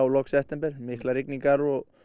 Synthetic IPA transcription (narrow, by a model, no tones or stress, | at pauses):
wlɔksɛft̪ɛmpɛɾ̥mɪhklaɾɪkniŋkaɾɔɣ